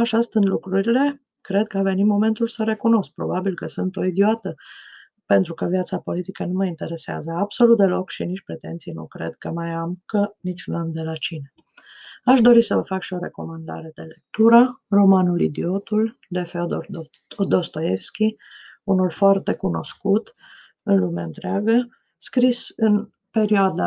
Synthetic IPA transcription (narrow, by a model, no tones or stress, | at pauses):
aʃast̪ɨnd̪lukɾuɾile̞ | kɾe̞d̪̚kəave̞nitmo̞me̞nt̪ulsəɾe̞kuno̞sk̚pɾo̞babilkəsunt̪o̞id̪ioat̪ə | pe̞nt̪ɾukəvjat̪sapo̞lit̪ikənuməint̪e̞ɾe̞sea̰zəabso̞lut̪̚d̪e̞lo̞kʃinit͡ʃpɾe̞t̪e̞nt̪sijnṵkɾe̞̰d̪kəmajamkənit͡ʃunamd̪e̞lat͡ʃine | aʃd̪o̞ɾisəvəfakʃio̞ɾe̞ko̞mand̪a̰ɾe̞d̪e̞le̞k̚t̪uɾəro̞manulḭd̪io̞t̪ul | d̪e̞feod̪o | d̪o̞st̪o̞jefskʲi | unulfoart̪e̞kuno̞̰skut̪ | ɨnlumaɨnt̪ɾeaɡə | skɾisɨn | pe̞ɾioad̪a